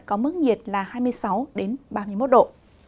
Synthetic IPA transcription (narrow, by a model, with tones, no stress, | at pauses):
kɔ˨˦mɨ˦˥ək̚ɲi˨˩ət̚laː˨˩haː˧jm˧əjsa˨˦wɗe˨˦nɓaː˧mɨ˧əjmo˦˥t̚ɗo̰˧˨